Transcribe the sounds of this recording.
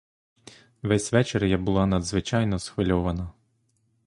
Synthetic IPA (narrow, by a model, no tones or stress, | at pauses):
ʋɛsʲʋɛt͡ʃerjabʊlˠɑnɐd̪zʋɪt͡ʃɑjnɔsxʋɪlʲɔʋɐnɐ